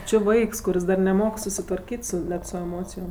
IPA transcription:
ˈt͡ʃʲɪ ˈʋɐɪks kʊˈrʲɪs dɐr nʲɛˈmoːk sʊsʲɪtʋɐrʲˈkʲiːtʲ sʊ ˈnʲɛt sʊ ɛˈmoːt͡sʲɪjoːm

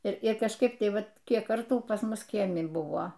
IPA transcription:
tʲiː ˈbʊʋoː ˈbʲɛt ˈdɐ ˈmʲɛs ˈbʊʋoːm ʋʲɪˈsʲɪ toːˈkʲiɛ mɐˈʒʲɪɪr ɪr kɐʃˈkɐɪp ˈtɐɪ ˈʋɐt ˈkʲiɛk ˈkɐrtuː pɐs ˈmʊs ˈkʲiɛmʲɪ ˈbʊʋoː

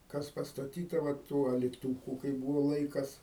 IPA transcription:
ˈkɐs pɐstɐˈtʲiːtɐ ʋɐ ˈtuː ɐlʲɪˈtuːkʊ kɐɪ ˈbuːʋoː ˈlˠɐɪkɐs

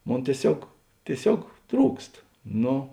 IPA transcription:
ˈmoːn tʲiɛˈsʲoːk tʲiɛˈsʲoːk ˈtruːkst ˈnoː

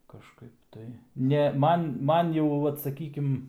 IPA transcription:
kɐʃˈkɐɪp tɐɪ ˈnʲɛ ˈmɐn ˈmɐn jɛʊ ˈʋɐt sɐˈkʲiːkʲɪm

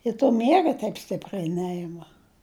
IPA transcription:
ɪ toː ˈmʲiɛɡɐ tʲɛɪp ˈsʲtʲɪpʲrʲɛɪ ˈnʲɛɪmɐ

